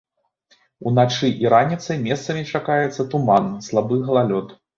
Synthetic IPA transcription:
unat͡ʂɨʔiɾanʲit̪sɐjmʲɛst̪sɐmʲit͡ʂakajɛt̪sːɐt̪umanslˠabɨɣɐlˠalʲɔt̪

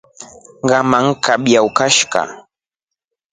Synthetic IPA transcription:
ɢɑmaŋkabjawkaʃɢɑ̰

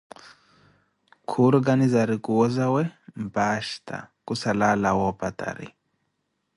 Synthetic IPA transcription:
kʰuɾɡanizaɾikuwɔzawɛm̩baʃtʰa̰kusalalawɔpatʼa̰ɾḭ

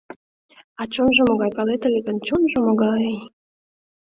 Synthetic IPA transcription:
ɑt͡ɕonʒə̆moɣɑjpɑlet̪əlʲeɣə̆nt͡ɕonʒɤ̆moɣɑej

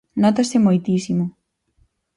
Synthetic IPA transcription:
nɔt̪asɪmojt̪isimʊ

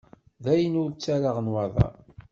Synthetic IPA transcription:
ðæjənʊɾt͡sːæɾaʁənwɑðˤɑ̰

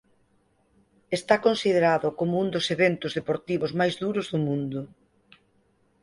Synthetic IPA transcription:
est̪akonsið̞eɾaðʊkomʊund̪ʊseβent̪ʊzðepoɾt̪iβʊzmajzðuɾʊzðʊmũnd̪ʊ

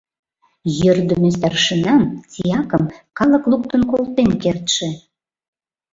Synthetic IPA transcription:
jə̆rd̪ə̆mĕst̪ærʃə̆nɑmt͡sijɑkəmkɑlə̆kluk̚t̪ə̆nkolˠt̪enkert̪ʃĕ

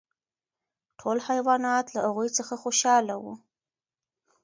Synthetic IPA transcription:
ʈʰolhajwɑnɑt̪lahaɣujt͡səxaxoʃɑlawu

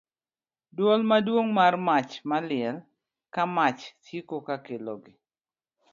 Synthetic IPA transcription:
dwɔlmadwoŋmarmat͡ʃmalɪɛl | kamat͡ʃtjekokakeloɡɪ

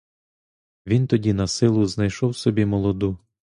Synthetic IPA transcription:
ʋʲint̪ɔdʲinɐsɪlˠʊznɐjʃɔwsɔbʲimɔlˠɔd̪u

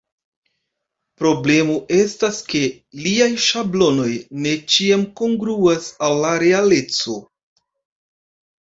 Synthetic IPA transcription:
pɾo̞ble̞moʔe̞staske̞ | liajʃablo̞no̞jne̞t͡ʃiamko̞ŋɡɾuasawlaɾe̞ale̞t͡so̞

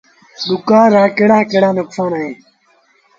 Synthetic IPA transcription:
dukaːɾaːkeɽaːkeɽaːnɐkfaːnae

